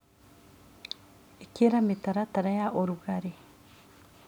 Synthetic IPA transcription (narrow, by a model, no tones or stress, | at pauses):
ekeɾametaɾataɾajaʔoɾuɣaɾe